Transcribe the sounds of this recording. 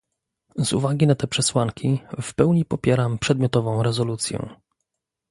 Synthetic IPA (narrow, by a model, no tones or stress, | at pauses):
zṵvaɡʲinat̪ɛpʂɛswaŋkʲifpɛwɲipɔpʲjɛɾampʂɛd̪mʲjɔt̪ɔvɔ̃w̃ɾɛzɔlut̪sʲjɛ̰